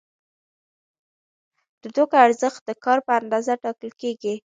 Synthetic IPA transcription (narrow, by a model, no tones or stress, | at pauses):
d̪̥əd̪okaɾzəxt̪̚d̪əkɑɾpəand̪ɑzaʈɑkəlkeɡi